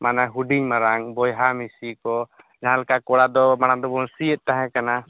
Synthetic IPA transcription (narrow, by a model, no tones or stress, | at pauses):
manaɦuɖiɲmaɾaŋbɔjɦamisikɔ | d͡ʒaɦãlɛkakɔɽad̪ɔmanad̪ɔbɔnsiɛt̪̚t̪aɦɛ̃kana